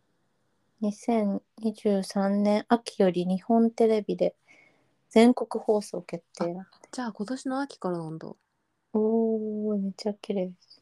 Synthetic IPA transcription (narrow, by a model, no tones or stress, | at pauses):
ɲisẽ̞ɲɲiʑɨːsãnːẽ̞ɰ̃ʔakʲi̥jo̞ɾʲiɲ̟ihõ̞nt̪e̞ɾe̞bʲid̪e̞ | d͡zẽ̞ŋko̞kɯ̟ho̞ːso̞̰ːke̞t̪ːe̞ːɾḁd͡ʑaːko̞t̪o̞ɕinoakʲi̥kaɾanõnd̪o̰ | omit͡ɕakʲːiɾes